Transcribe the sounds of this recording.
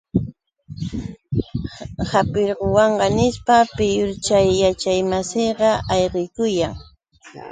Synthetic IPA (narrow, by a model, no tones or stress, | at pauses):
hapɪɾɢowɑɴɢɑnɪspapɪjʊɾt͡ʃajːat͡ʃajmasijɢɑɑjɢɪjkʊjaŋ